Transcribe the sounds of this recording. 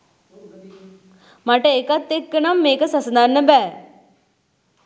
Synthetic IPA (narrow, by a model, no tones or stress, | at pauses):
maʈəekat̪ːekːənamːeːkəsɐsɐd̪ʱanːəbɛː